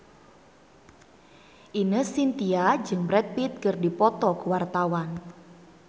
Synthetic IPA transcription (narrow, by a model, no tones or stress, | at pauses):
ʔinəsint̪iad͡ʒɨŋbɾɛt̪̚pit̪̚kɨrdipɔt̪ɔkuwart̪awan